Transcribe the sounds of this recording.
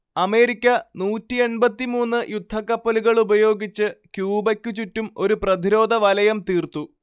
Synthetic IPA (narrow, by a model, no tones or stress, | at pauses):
ɐme̞ːɾikʲːɐnuːtːie̞ɳbɐt̪ːimuːnːɨjud̪ʱːɐkːɐpːɐluɣɐɭubɐjo̞ːɡit͡ɕːɨkjuːbɐkʲːut͡ɕutːumo̞ɾuprɐd̪iɾo̞ːd̪ʱɐʋɐlɐjɐmt̪iːrt̪u